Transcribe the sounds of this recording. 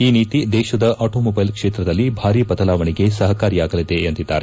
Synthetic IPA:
iːniːt̪id̪ɛːʃɐd̪ɐʔaːʈoːmɔbɐjlkʂeːt̪ɾɐd̪ɐlːibʱaːɾiːbɐt̪ɐlaːʋɐɳiɡe̞sɐɦɐkaːɾijaːɡɐlid̪e̞ɐnt̪id̪ːa̰ːɾe

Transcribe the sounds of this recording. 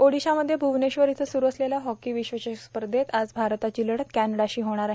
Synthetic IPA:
oɽiɕaməd̪ʱːjebʱuʋneɕʋəɾit̪ʰesuɾuəslelaɦɔkiːʋiɕʋət͡ɕespəɾd̪ʱet̪ad͡zbʱaɾt̪at͡ɕiːləɽət̪kænəɽaɕiːɦoɽ̃aɾaɦe

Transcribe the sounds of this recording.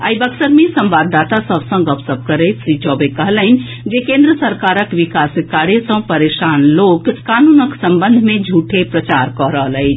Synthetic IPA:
əibəksəɾmesə̃mbad̪at̪asəbsə̃ŋɡəpsəb̚ʱkəɾət̪ʃɾit͡ʃɔːbekəɦələɦin | d͡ʒekẽnd̪ɾəsəɾkaːɾəkʋikaskaɽesə̃pəɾeʃanlokːanunəksə̃mbənd̪ʱmẽd͡ʒʱuʈʰepɾət͡ʃaɾkɔɾəɦələjt͡ʃʰ

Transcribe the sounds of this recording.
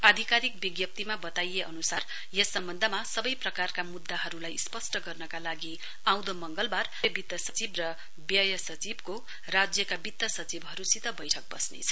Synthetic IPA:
ad̪ʱikaɾik̚biɡjʌp̚t̪imabʌt̪ajeʔʌnusar | jesːʌmbʌnd̪ʱʌmasʌbʌjprʌkarkamud̪ːaɦʌɾulajspʌsʈʌɡʌrnʌkalaɡi | aw̃d̪omʌŋɡʌlbarʌbit̪ːʌsʌt͡sibrʌ | bjʌjʌsʌt͡sibko | rad͡zjʌkabit̪ːʌsʌt͡sibɦʌɾusit̪ʌbʌjʈʰʌk̚bʌ̰snḛt͡sʰʌ̥

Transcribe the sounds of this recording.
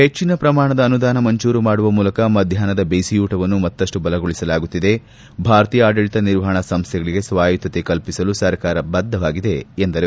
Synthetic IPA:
het͡ʃːinɐpɾɐmaːɳɐd̪ːnud̪aːnɐmɐɲt͡ʃuːɾumaːɽuʋɐmuːlɐkɐmɐd̪ʱjaːnɐd̪ɐbeːsijuːʈɐʋɐnːumɐt̪ːɐʂʈubɐlɐɡoɭisɐlaːɡut̪ːid̪e̞ | bʱaːɾɐt̪iːjɐaːɖɐɭit̪ɐniɾʋɐɦɐɳɐsɐmst̪ʰjɛɡɐɭiɡe̞sʋaːjit̪ːɐt̪ekɐlpisɐlusɐɾkaːɾɐbɐd̪ʱːɐʋaːɡid̪e̞ːnd̪ɐɾe

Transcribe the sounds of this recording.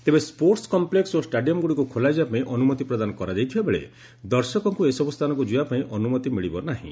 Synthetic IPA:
t̪ebespoɾʈskɔmpleksosʈaɖijɔmɡuɽikukʰolajd͡ʒapaĩʔɔnumɔt̪ipɾɔd̪anɔkɔɾad͡ʒajt̪ʰibabeɭḛ | d̪ɔɾsɔkɔŋkuesɔbust̪ʰanɔŋk̬ud͡ʒujapaĩʔɔnumɔt̪imiɭibɔnaɦḭ̃

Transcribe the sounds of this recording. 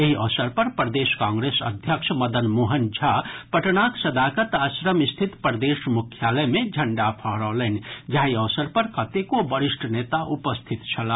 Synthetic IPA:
eɦiɔsəɾpəɾpɾəd̪eskãŋɡɾesə̰d̪ʱjəkt͡ʃʰməd̪ənmoɦənd͡ʒʱapəʈnaksəd̪akət̪asɾəmist̪ʰit̪pɾəd̪esmukʰjaləmẽd͡ʒʱəɳɖapʰəɦɾɔlənĭd͡ʒaɦiɔsəɾpəɾkət̪ekobəɾiʃʈʰənet̪aʔupəst̪ʰit̪t͡ʃʰəla

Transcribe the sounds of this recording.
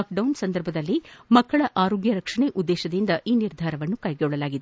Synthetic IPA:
kɖɐwnsɐnd̪ɐɾbʱɐd̪ɐlːimɐkːɐɭɐʔaːɾoːɡjɐɾɐkʂɐɳeːʔud̪ːeːʃɐd̪ind̪ɐʔiːniɾd̪ʱaːɾɐʋɐnːukɐjɡeuɭːɐlaːɡid̪e

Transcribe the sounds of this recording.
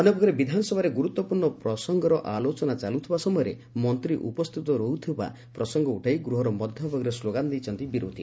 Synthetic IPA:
ɔnobɔkʰɾebid̪ʱanɔsɔbʱaɾeɡuɾut̪wɔpuɾɳɔpɾɔsɔŋɡɔɾɔʔalot͡ʃɔnat͡ʃalut̪ʰibasɔmɔjɔɾe | mɔnt̪ɾiʔṵpɔst̪ʰit̪ɔɾɔɦut̪ʰiba̰ | pɾɔsɔŋɡɔuʈʰajɡɾuɦɔɾɔmɔd̪ʱjɔbʱɔɡɔɾesloɡand̪ejt͡ʃʰɔnt̪ibiɾo̰d̪ʱi

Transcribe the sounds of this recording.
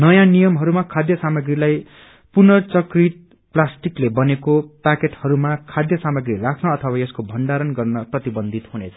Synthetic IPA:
nʌjãnijʌmɦʌɾumakʰad̪jʌsamʌɡɾilaj | punʌt͡sʌkrit̪̚ | plasʈiklebʌnekopakeʈhʌɾumakʰad̪jʌsamʌɡɾirakʰnʌːt̪ʰʌwajʌskobʱʌnɖaɾʌnɡʌrnʌprʌt̪ibʌnd̪ʱit̪hunet͡sʰʌ̥

